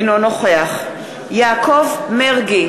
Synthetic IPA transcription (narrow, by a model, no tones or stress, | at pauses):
nonoχeaχ | jaːkʰovmeʁɡi